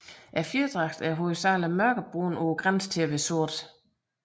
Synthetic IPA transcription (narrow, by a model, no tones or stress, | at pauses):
ʔæɐfjed̥ʁɑ̈ɡ̥d̥æɐɦosɑːləmɶɐɡ̥ɐb̥ʁo̰ːnoɡ̥ʁanst͡sʰeʋesoɐ̰d̥